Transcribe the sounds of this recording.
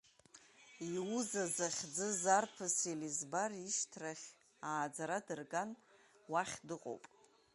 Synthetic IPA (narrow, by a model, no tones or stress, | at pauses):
iwuzazaχʲd͡zɨzarpʰɨsilizbariʃtʰraχʲ | aːd͡zaɾadɨrɡan | waχʲdɨqʼo̰wpʼ